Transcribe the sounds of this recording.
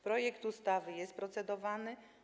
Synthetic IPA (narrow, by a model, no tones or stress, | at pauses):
pɾɔjɛkt̪ust̪avɘjɛst̪̚pɾɔt̪sɛd̪ɔvanɘ